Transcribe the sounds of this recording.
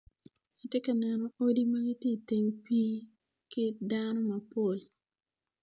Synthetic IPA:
ɪ˨te˦ka˨nɛ˨no˨o˦di˦ma˦ɡɪ˦te˦˨te˨ŋpi˦ | kɪ˦dano˦ma˨po˨l

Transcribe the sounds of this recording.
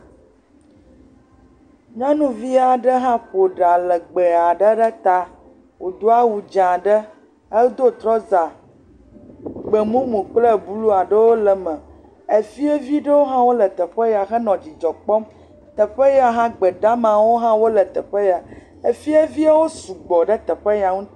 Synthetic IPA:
ɲã˦nũ˦vi˦a˨ɖə˦ɦã˦ɸo˨ɖa˨lə˨ɡ͡bə˨a˨ɖə˦ɖə˦t̪a˦ | wo˨d̪o˦a˦wu˨d͡ʒã˨ɖə˦ | ə˦ld̪o˦t̪ɾɔ˦za˨ | ɡ͡bə˨mũ˦mũ˨k͡plə˦˨bu˦lu˦a˨ɖə˦wo˦lə˨mə̃˨ | e˨fi˦e˦vi˦ɖə˦wo˦ɦã˦wo˦lə˨t̪ə˨ɸə˦ja˨xə˦nɔ̃˨d͡ʑi˨d͡ʒɔ˨k͡pɔ˦m | t̪ə˨ɸə˦ja˨ɦã˦ɡ͡bə˨ɖa˦mã˨wo˦ɦã˦wo˦lə˨t̪ə˨ɸə˦ja˨ | e˨fi˦e˦vi˦a˦wo˦su˨ɡ͡bɔ˨ɖə˦t̪ə˨ɸə˦ja˨ŋũ˦t̪

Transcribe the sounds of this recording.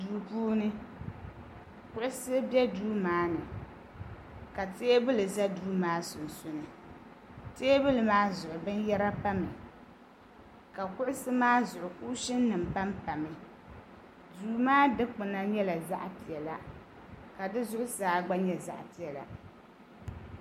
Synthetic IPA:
duː˨puː˦nɨ˦ | kʊ˦ʔʊ˦sɨ˦bɛ˦duː˦maː˦nɨ˨ | ka˨teː˦bɨ˦lɨ˨za˦duː˦maː˦sʊ˨n̩˨sʊ˦nɨ˨ | teː˦bʊ˦lɨ˨maː˦zʊ˨ʔʊ˨bɨ˦njɛ˦ɾa˦pa˦mɪ˨ | ka˨kʊ˦ʔʊ˦sɨ˦maː˦zʊ˨ʔʊ˨ku˦ʃɪ˦nː˦ɨ˨m̩˨pa˦mpa˨mɨ˨ | duː˨˦maː˦dɨ˦k͡pɨ˨na˦ɲɛ˦la˨za˦ʔpi˨ɛ˨la˨ | ka˨dɨ˦zʊ˦ʔʊ˦saː˨˦ɡ͡ba˦ɲɛ˨za˦˨ʔpi˨ɛ˨la̰˨

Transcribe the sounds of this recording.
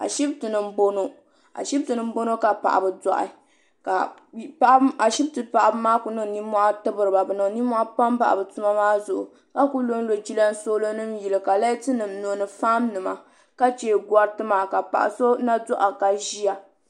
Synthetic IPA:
a̰˨ʃi˦btɨ˨nɨ˨m˦bo˦no˦ | a̰˨ʃi˦btɨ˨nɨ˦m˦bo˦no˦ka˨pa̰˨ʔbɨ˨dɔ˨ʔɪ̰˨ | ka˨a˨ʔa˨ʃi˦b̚tɨ˨pa˨ʔa˨bɨ˦maː˦ku˨nɨ˨ŋ˨ni˦mɔ˦ʔa˦tɨ˦bɨ˨ɾɨ˨ba˨bɨ˨nɨ˨ŋ˨ni˦mɔ˦ʔa˦pa˦mba̰˨ʔa̰˨bɨ˨tu˦ma˦maː˦zʊ˨ʔʊ˨ | ka˦ku˦lo˦n˦lo˨d͡ʒi˦la˦n˦so˦lo˦nɨ˦mji˨lɨ˨ka˨la˦tɨ˦nɨ˨mno˨nɨ˨fa˦mnɨ˨ma˨ | ka˦t͡ʃeː˦˨ɡʷɔ˦ɾtɨ˦maː˨ka˨pa̰˨ʔa̰˨so˦na˦dɔ˦ʔa˨ka˨ʒi˦ja˨

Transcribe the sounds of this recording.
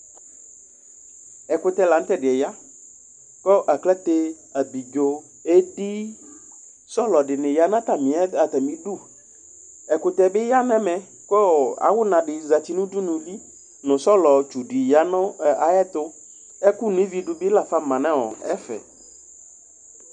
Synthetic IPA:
ɛ˨kʊ˨t̪ɛ˦la˨n̩˦t̪ɛ˦dɪ˨ɛ˨ja˦ | kɔ˦ʔa˨klɛ˦t̪e˦ | a˨bi˨d͡ʒo˨ | e˦di˦ | sɔ˦lɔ˨ɖɪ˨nɪ̃˨ja˨nã˦t̪a˨mĩ˨ɛ˦a˨t̪a˨mĩ˨du˦ | ɛ˨kʊ˨t̪ɛ˨bɪ˦ja˦nɛ̃˦mɛ̃˨ | kɔ˦˨a̰˨wʊ˦nã˨ɖɪ˨za˨ti˦nũ˦du˦nũ˨li˦ | nʊ̃˨sɔ˦lɔ˨t͡ʃu˨di˨ja˦nɔ˦a˨ɛ˦t̪ʊ˦ | ɛ˦ku˦nʊ̃˨ĩ˦vi˨ɖʊ˨bɪ˦la˨fa˦mã˨nɛ̃˦wɔ̰˨ɛ̰˦fɛ̰˨

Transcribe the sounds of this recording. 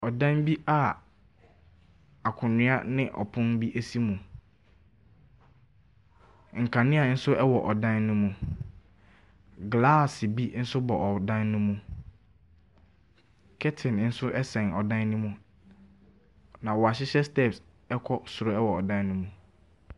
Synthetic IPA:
ɔ˨dã˦nbi˦a˨ | a˨kʰʊ̃˨nɪ̃˦a̰˦nɪ̃˦ʔɔ̰˨pʰʊ̃˦nbi˦ʔe˦si˦mũ˨ | ŋ̩˨kʰã˨nɪ̃˦a˨n̩˦sʊ˦ʔɛ˦wɔ˨ʔɔ˨dã˦nːũ˦mũ˨ | ɡlaː˦˨sbi˦n̩˦sʊ˦bɔ˨ʔɔ˨dã˦nːũ˦mũ˨ | kʰɛ˦tʰɪ̃˨n˦n̩˦sʊ˦ʔɛ˦sɛ̃˨nɔ˨dã˦nːũ˦mũ˨ | nã˨wɔ˨a˨ɕɪ˦ɕɛ˦stɛ˦ps | ɛ˦kʰɔ˦sʊ˨ɾʊ˦ɛ˦wɔ˨ɔ˨dã˦nːũ˦mũ˨

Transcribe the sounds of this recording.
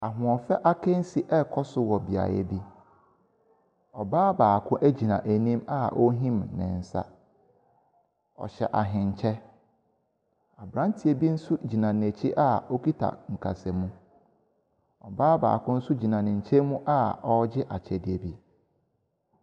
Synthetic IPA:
a˨ɦʊ̃˨ɔ̃˨fɛ˦ʔa˦kʰɛ̃˦n̩˦si˨ʔɛ˦kʰɔ˦sʊ˦wɔ˨bi˨a̰˨jɛ̰˦bi˦ | ɔ˨baː˦baː˨kʰʊ̃˦ʔæ˦d͡ʑi˨nã˨ʔæ˨nĩ˦ma˨ʔɔ˦ɦĩ˦mnɪ̰̃˨n̩˨sa̰˦ | ɔ̰˨ɕɛ̰˨ʔa˨ɦɪ̃˨ɲ̩˨t͡ɕʰɛ˦ | a˨bɾã˦n˦tʰi˨e˨bi˦n̩˦sʊ˦d͡ʑi˨nã˨n˨æ˨t͡ɕʰi˦ʔa˦o˦ki˦tʰa̰˨ŋ̩˨kʰa̰˨sɛ˨mũ˦ | ɔ˨baː˦ba̰ː˨kʰʊ̃˦n̩˦sʊ˦d͡ʑi˨nã˨nɪ̃˨ɲ̩˨t͡ɕʰɛ˦mũ˦ʔa˦ɔ˦d͡ʑɪ˦ʔa˨t͡ɕʰɛ˨dɪ˨e˨bi˦

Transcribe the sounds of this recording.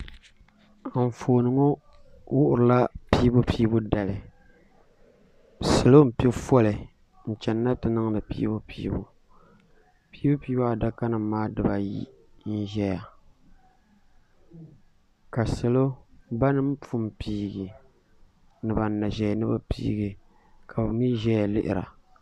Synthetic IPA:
ɱ̩˨foː˨nɨ˨˦ŋo˦ | wʊ˦ʔʊ˨ɾɨ˨la˦piː˦bʊ˦piː˦bʊ˦da˨lɨ˨ | sɨ˨lo˦m̩˨pi˦fɔ˦lɨ˨ | n̩˨t͡ʃɛ˨nː˦a˦tɨ˨nɨ˦ŋ˦nɨ˨pḭ˦bʊ˦pʰiː˦bo̰˨ | pi˦bʊ˦piː˦ba˦a˨da˦ka˦nɨ˨m˦maː˦dɨ˦ba˨jḭ˦ | n̩˦ʒɛ˦ja˨ | ka˨sɨ˨lo˦ba˦nɨ˦m̩˦pu˦m˨piː˦ɡɪ˨ | nɨ˨ba˨˦na˨ʒɛ˨nɨ˦ba˦pḭː˦ɡɪ˨ | kʰa˨ba˨mi˦ʒɛ˦ja˨lɪ̰˦ʔɪ̰˨ɾa̰˨

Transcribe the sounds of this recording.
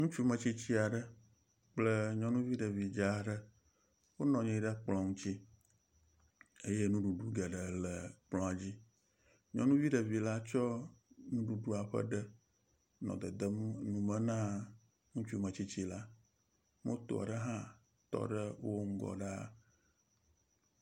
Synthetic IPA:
ŋũ˦t͡ʃu˦mə̃˨t͡ɕi˦t͡ɕi˦a˨ɖə˦ | k͡plə˦ɲɔ̃˦nũ˦vi˦ɖə˨vi˨d͡ʒa˦ɖə˦ | wo˦nɔ̃˨ɲɛ̃˦ɖə˦k͡plɔ̃˨ŋũ˦t͡ɕi˦ | e˦je˦nũ˦ɖu˨ɖu˦ɡə˨ɖə˨lə˨k͡plɔ̃˦a˨d͡ʑi˦ | ɲɔ̃˦nũ˦vi˦ɖə˨vi˨la˦t͡ʃɔ˦nũ˦ɖu˨ɖu˦a˨ɸə̰˦ɖə˦ | nɔ̰̃˨d̪ə˨d̪ə˦mnũ˨mə̃˦nã˦ | ŋũ˦t͡ʃu˦mə̃˨t͡ɕi˦t͡ɕi˦la˦ | mo˦t̪o̰˨a̰˨ɖə˦ɦã˦ | t̪ɔ̰˨ɖə˦wo˦ŋ̩˦ɡɔ̰˨ɖa˦

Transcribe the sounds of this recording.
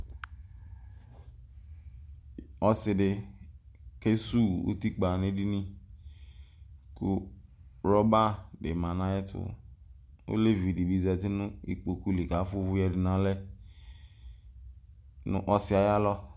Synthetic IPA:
ɔ˦sɪ˨dɪ˨ | ke˦su˦˨o̰˦ti˦k͡pa˨ne˦di˦nĩ˦ | kʊ˦ɾɔ˦ba˦dɪ˨mã˨nã˨˦ɛ˦tʰʊ̰˨ | o̰˦le˦vi˨di˨bi˦zɛ˨tɪ˦nʊ̃˦i˨k͡po˨ku˦li˨ka˨˦fʊ˦vʊ˦jɛ˦dɪ˨nã˦lɛ˦ | nʊ̰̃˦ʔɔ˦sɪ˦a˨ja˦lɔ˦

